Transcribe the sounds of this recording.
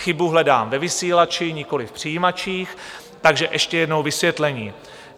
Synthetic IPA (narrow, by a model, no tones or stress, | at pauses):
xɪbuɦlɛda̰ːmvɛvɪsiːlat͡ʃɪɲɪko̞lɪfpr̥ɪjiːmat͡ʃiːx | t̪aɡʒɛʔɛʃcɛjɛdno̞wvɪsvjɛt̪lɛɲiː